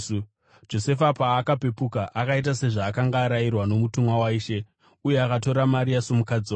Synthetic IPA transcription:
d͡ʒo̞se̞fapaːkape̞pukaʔakait̬ase̞ʐaːkaŋɡaːɾajirwano̞mutumwawaiːʃe̞ | uje̞akato̞ɾamaɾijasomukad͡ziwa

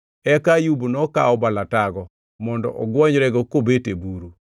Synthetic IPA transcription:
ɛkajubnɔka̰ɔbalataɡɔ | mɔndɔ̰ʔɔ̰ɡwɔɲɾɛɡɔkobetebuɾu

